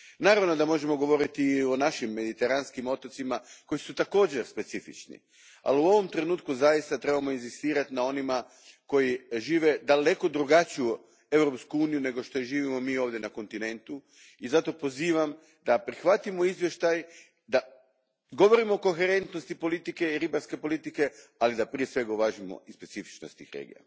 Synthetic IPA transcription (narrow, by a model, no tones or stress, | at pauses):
naːɾaʋno̞d̪amo̞ʒe̞mo̞ɡo̞ʋo̞ɾit̪io̞naʃimːe̞d̪it̪e̞ɾanskimo̞t̪ot̪simako̞jisut̪ako̞ːd͡ʑe̞ɾspe̞t̪sifḭt͡ʃnḭ | a̰luo̞ʋo̞mt̪ɾe̞nuːt̪kuzajist̪at̪ɾe̞bamo̞inzist̪iːɾat̪inao̞nima | ko̞jiʒiːʋe̞d̪ale̞ko̞d̪ɾuɡat͡ɕiju | e̞wɾo̞pskuuːnijune̞ɡo̞ʃt̪o̞jiʒiːʋimo̞miːo̞ːʋd̪je̞nako̞nt̪ine̞nt̪u | izat̪o̞po̞ziːʋam | d̪apɾixʋat̪imo̞izʋje̞ʃt̪aj | d̪a | ɡo̞ʋo̞ɾimo̞ːko̞xeɾe̞nt̪no̞st̪ipo̞lit̪ike̞iɾibaɾske̞po̞lit̪ike̞alid̪apɾije̞sʋe̞ɡauʋaʒimo̰ispe̞t̪sifi̥t͡ʃnost̪ḭxɾḛːɡḭja̰